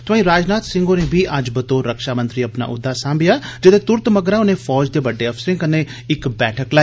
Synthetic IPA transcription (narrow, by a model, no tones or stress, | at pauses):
t̪ʊʋãːĩɾaːd͡ʒnaːt̪sɪ̃ŋɡonebʱiʔad͡ʒbɐt̪oɾɐkʃaːmɐ̃nt̪ɾiɐpna̰ʔʊ̰d̪ʱːasãːmbɪjaːd͡ʒɪt̪et̪ʊɾt̪mɐɡɾaʊnẽfɔːd͡ʒd̪ebɐɖːeɐfsɾɪ̃ŋkɐnːe | ɪkbɛːʈʰəkla